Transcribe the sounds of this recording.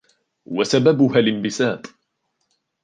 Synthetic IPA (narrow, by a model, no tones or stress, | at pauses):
wasababʊhalɪmbɪsaːb